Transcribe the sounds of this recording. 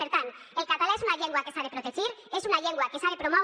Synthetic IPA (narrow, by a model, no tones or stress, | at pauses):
eɾt̪an | e̞lkat̪alaesunaʎeŋɡwakesaɾepɾot̪et͡ʃiɾe̞sunaʎeŋɡwakesaɾepɾomo